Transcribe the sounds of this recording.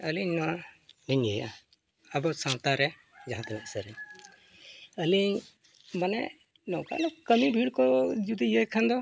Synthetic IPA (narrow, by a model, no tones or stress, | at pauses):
əliɲnɔwaniɲəja̰ | abɔsãt̪aɾɛ | d͡ʒaɦãt̪mɛʔsəɾɛɲ | əliɲ | manɛ̰ʔ | nɔka̰lɛkəmibʱiɽkɔd͡ʒud̪ijəjkʰand̪ɔ